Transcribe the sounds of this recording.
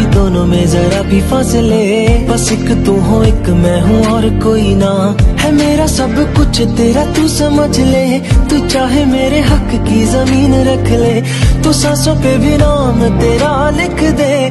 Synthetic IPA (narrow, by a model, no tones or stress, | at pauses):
id̪oːnõːmẽːzəːɾaːbʱiːpʰaːsleː | pəsɪkt̪ʊɦõːɪkmɛ̃ːɦũːɔːɾkoːiːnaːhɛːmeːɾaːsəbkʊt͡ʃʰt̪eːɾaːt̪ũːsəməd͡ʒleː | t̪uːt͡ʃaːɦeːmeːɾeːɦək | kizəmiːnɾəkʰleː | t̪ʊsãːsõːpeːbinaːmt̪eːɾaːlɪkʰd̪eː